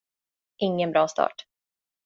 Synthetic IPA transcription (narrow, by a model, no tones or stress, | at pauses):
ʔɪŋːənbɾɑːst̪ʰɑ̰ːʈ